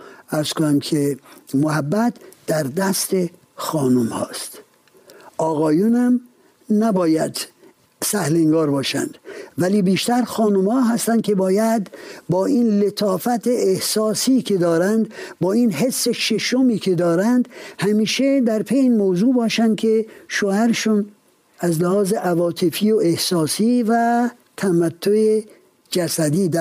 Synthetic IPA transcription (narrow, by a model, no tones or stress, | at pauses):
æɾz̥konæmkʰemohæbːæt̪ʰd̪̥æɾd̪æst̪e | xɒːnumhɒ̰ːst̪ | ɒːɣɒːjunhæm | næbɒːjæd̪ | sæhleŋɡɒːɾbɒːʃæ̰nd̪̥væliːbiːʃt̪æɾxɒːnumhɒːɦæst̪ænd̪kʲʰe̞bɒːjæd̪bɒːinlet̪ʰɒːfæt̪ʰeʔehsɒːsiːkʲʰed̪ɒːɾænd̪bɒːinɦe̞sːeʃeʃomiːkʰed̪ɒːɾænd̪hæmiːʃed̪æɾpʰejeiːnmowzuːbɒːʃænd̪̚kʲʰeʃoːhæɾeʃun | æzlæhɒːzeʔævɒːt̪ʰefiːoehsɒːsiːvæ | t̪ʰæmæt̪ʰːoe | d͡ʒæsæd̪iːd̪æ